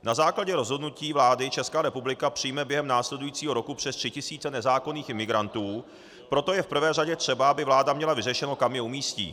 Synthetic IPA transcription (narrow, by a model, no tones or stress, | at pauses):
nazaːklaɟɛɾo̞zɦodnuciːvlaːdɪt͡ʃɛskaːɾɛpublɪkapr̝̥ɪjmɛbjɛɦɛmnaːslɛdujiːt͡siːɦo̞ɾo̞kupr̥ɛst̪r̥ɪcɪsiːt͡sɛnɛzaːko̞niːxɪmɪɡɾant̪uː | pɾo̞t̪o̞jɛfpr̩vɛːraɟɛt̪r̝̥ɛbaabɪvlaːdamɲɛlavɪrɛʃɛno̞kamjɛumiːscḭː